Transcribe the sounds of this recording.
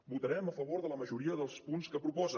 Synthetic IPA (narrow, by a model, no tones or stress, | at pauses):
but̪əɾɛməfəβoɾðələməʒuɾiəðəlˠspunskəpɾupɔzə